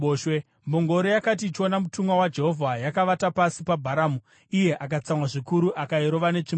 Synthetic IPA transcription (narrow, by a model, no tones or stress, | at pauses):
oʃwe | mboŋɡo̞ɾojakat̬iːt͡ʃio̞namutumwawad͡ʒe̞ɦo̞vʱajakaʋatapasipabʱaɾaːmu | ije̞ʔakat͡samwaʐikuɾuʔakaiɾo̞ʋane̞t͡ʂim